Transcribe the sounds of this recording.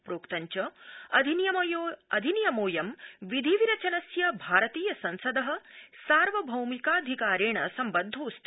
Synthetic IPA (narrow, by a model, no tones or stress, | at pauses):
pɾoːkt̪ɐɲt͡ʃɐɐd̪ʱinjɐjoɐd̪ʱinjɐmoːjɐmʋid̪ʱiʋiɾɐt͡ʃɐnɐsjɐbʱaːɾɐt̪iːjɐsɐnsɐd̪ɐɦɐ̆saːɾʋɐbʱɐwmikaːd̪ʱikaːɾeːɳɐsɐmbɐd̪ʱːoːst̪